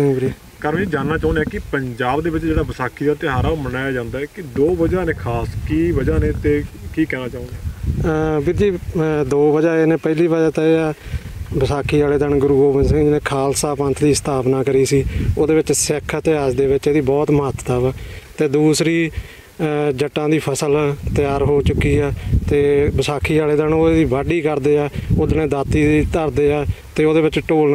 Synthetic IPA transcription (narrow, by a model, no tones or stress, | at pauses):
ɪ̃ŋbɾiː | kəɾmĩd͡ʒaːnːaːt͡ʃaːʊ̃nd̪jaːkɪpəɲd͡ʒaːbd̪eːʋɪt͡ʃd͡ʒeːɽaːbəsaːkʰiːd̪aːt̪eːɦaːɾaːomənaːjaːd͡ʒãːnd̪aːɛːkɪd̪oːbəd͡ʒaːnẽːkʰaːskiːbəd͡ʒaːnẽːt̪eːkiːkɛːnaːt͡ʃãːnd̪a | bid͡ʒiːd̪oːʋəd͡ʒaːeːnẽːpəɪliːbəd͡ʒaːt̪aːeaː | bəsaːkʰːiːd͡ʒaːleːd̪əɳɡʊɾuːɡoːʋənsɪ̃ŋɡd͡ʒɪnẽːkʰaːlsaːpə̃nt̪ʰd̪iːst̪aːpnaːkəɾiːsiːoːd̪eːʋɪt͡ʃsɛkʰət̪eːaːd͡ʒd̪eːʋɪt͡ʃeːd̪iːbɔːt̪məɦət̪t̪əʋːt̪eːd̪uːsɾiː | d͡ʒəʈːãːd̪iːpʰəsəlt̪ɪjaːɾɦoːt͡ʃʊkːiːɛːt̪eːbəsaːkʰiːaːleːd̪ənoːed̪iːbaːɖiːkəɾd̪eːaːoːd̪nẽːd̪aːt̪ːiːiːt̪əɾd̪eːaːt̪eːoːd̪eːʋɪt͡ʃʈoː